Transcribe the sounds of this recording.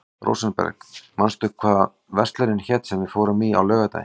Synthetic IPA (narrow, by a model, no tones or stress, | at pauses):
ro̰wsanpɛ̰ɾkmanst̪ʏkʰvaːð | vɛr̥st̪laɾɪnçɛt̪sɛmvɪðfoːwɾʏmia̰wlœːɣat̪a̰j